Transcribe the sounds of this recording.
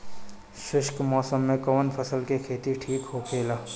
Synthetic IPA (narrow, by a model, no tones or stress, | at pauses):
ʃɪʃkmɔːsəmːẽkɐʋənpʰəsəlkekʰeːt̪iʈʰiːkɦokʰeːlaː